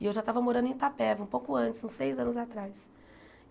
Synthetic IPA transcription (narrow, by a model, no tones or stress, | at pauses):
ɪewʒat̪avɐmoɾɐ̃nʊẽt̪apɛvɐũpowkʊɐ̃t͡ʃɪ̥sũsejzɐ̃nʊzat̪ɾajs